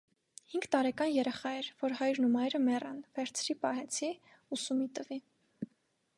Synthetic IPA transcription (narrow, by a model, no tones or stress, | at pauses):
hiŋɡt̪ɑɾɛkɑnjɛɾɛχɑɛɾvɔɾɦɑjɾnumɑjɾəmɛrɑ̰nvɛɾt͡sʰɾipɑɦɛt͡sʰi | usumit̪əvi